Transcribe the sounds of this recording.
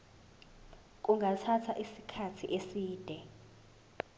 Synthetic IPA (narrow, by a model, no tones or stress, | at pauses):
k̬ʼuŋɡʱatʰatʰaʔisikʰatʰiʔesiːd̥ʱɛ